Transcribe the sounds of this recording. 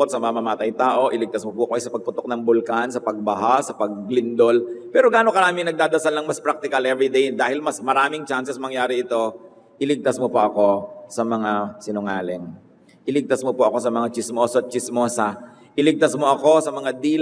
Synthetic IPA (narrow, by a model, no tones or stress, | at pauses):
ot̪̚sɐmɐamɐmaːt̪ɐjt̪aːʔo̞ʔɪlɪɡ̚t̪ɐsmopʊʔɐkoʔɛjsɐpɐɡ̚pʊt̪ok̚nɐŋbʊlkansɐpɐɡ̚bɐɦasɐpɐɡ̚lɪnd̪o̞lpɛːɾo̞ɡaːnokɐɾaːmɪŋnɐɡ̚d̪aːd̪ɐsalnɐŋmɐspɾak̚t̪ɪkɐlʔɛvɾɪd̪ejd̪aːhɪlmɐsmɐɾaːmɪŋt͡ʃansɛsmɐŋjaːɾɪɪt̪o̞ | ʔɪlɪɡ̚t̪asmopɐʔɐko̞sɐmɐŋasɪnʊŋaːlɪŋ | ʔɪlɪɡ̚t̪asmopʊʔɐko̞sɐmɐŋat͡ʃɪsmoːsɐt̪̚t͡ʃɪsmoːsɐ | ʔɪlɪɡ̚t̪ɐsmoʔɐko̞sɐmɐŋad̪iːl